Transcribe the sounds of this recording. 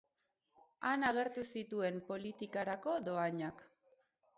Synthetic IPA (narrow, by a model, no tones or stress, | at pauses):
anaɣ̞e̞ɾt̪usit̪ue̞mpo̞lit̪ikaɾako̞do̞aɲak